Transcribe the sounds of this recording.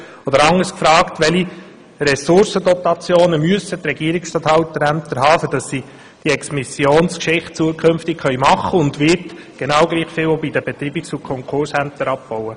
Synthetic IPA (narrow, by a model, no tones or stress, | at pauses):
ɔd̪əɾɑŋːəskfɾɑːktʋɛli | ɾɛsʊɾsədɔt̪ɑt͡sjoːnəmyəsət̪ɾɛɡiəɾiksʃtɑːt̪hɑwt̪ːəɾænt̪əɾɦɑːfəd̥ɑsːi | d̥iɛksmisjoːnskʃɪχt̚t͡suəkχɵnftɪkχœʏmɑχːəʊnd̪ʋɪɾt | ɡ̥enɑwɡliːχfɪlobid̥əbɛt̪ɾiːbɪksukʰɔŋkʰχʊɾshænt̪əɾɑp̚b̥ɔwə